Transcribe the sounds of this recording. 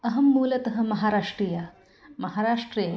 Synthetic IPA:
ɐɦɐmːuːlɐt̪ɐɦɐ̆mɐɦaːɾaːʂʈɾijɐ | mɐɦaːɾaːʂʈɾeː

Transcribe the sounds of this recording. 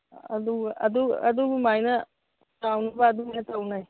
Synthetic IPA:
ɐ̰duɐ̰duɐ̰d̪umajna | tawnubaːd̪umatawnaj

